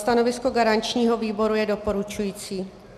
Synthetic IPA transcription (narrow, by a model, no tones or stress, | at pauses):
t̪ano̞vɪsko̞ɡaɾant͡ʃɲiːɦo̞viːbo̞ɾujɛdo̞po̞ɾut͡ʃujiːt͡siː